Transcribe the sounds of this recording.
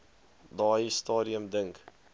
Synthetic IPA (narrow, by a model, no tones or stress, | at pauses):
dɑːjistɑːɾiəmdəŋk